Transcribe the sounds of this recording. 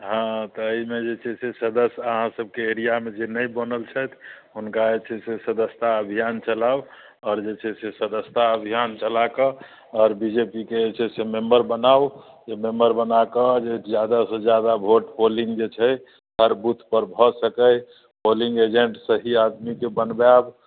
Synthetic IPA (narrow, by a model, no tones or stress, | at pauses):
ɦãt̪ɔəimed͡ʒet͡ʃʰɛsesəd̪əsəɦãsəb̚keeɾijamed͡ʒenəjbənəlt͡ʃʰɛt̪ʰɦunkad͡ʒet͡ʃʰɛsesəd̪əst̪aəbʱijant͡ʃəlab | ɔːɾd͡ʒet͡ʃʰɛsesəd̪əst̪aəbʱijant͡ʃəlakə | ɔːɾbid͡ʒepikeet͡ʃʰɛsemembəɾbənaw | d͡ʒemembəɾbənakəd͡ʒed͡ʒjad̪asəd͡ʒjad̪abʱoʈpolĩŋɡd͡ʒet͡ʃʰɛ | səɾbut̪ʰpəɾbʱɔsəkəj | polĩŋɡed͡ʒeɳʈsəɦiad̪mikebənbab